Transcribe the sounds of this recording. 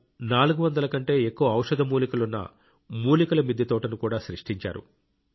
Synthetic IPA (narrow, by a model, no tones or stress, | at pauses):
naːluɡuʋɐnd̪ɐlɐkɐɳʈe̞ːekːuʋɐɐwʂɐd̪ʱɐmuːlikulunːɐ̰ | muːlikulɐmid̪ʱjɐt̪ɔːʈɐnukuːɽaːʃɾiʂʈiɲt͡ʃa̰ːɾṵ